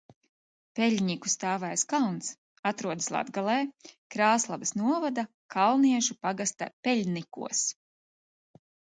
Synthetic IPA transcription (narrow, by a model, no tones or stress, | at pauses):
pɛʎʲɲiku̥st̪aːvɛjskalˠns | at̪ɾuɔd̪ɨslˠa̰d̪ɡalˠɛːkɾaːslˠabsnuɔvad̪a | kʰalˠniɛʃupaɡast̪a̰pʲɛlʲnikṵɔs